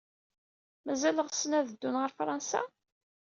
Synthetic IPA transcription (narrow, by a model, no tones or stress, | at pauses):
mæzæləʁsənæðəd̪ːunʁəɾfɾˤɑnsa̰